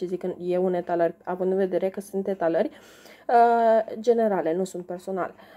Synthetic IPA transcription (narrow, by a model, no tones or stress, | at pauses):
izikɨnjeunet̪alərʲavɨnd̪ɨnve̞d̪e̞ɾe̞kəsunt̪et̪alərʲ | əd͡ʒe̞ne̞ɾale̞nusunt̪̚pe̞rso̞na̰l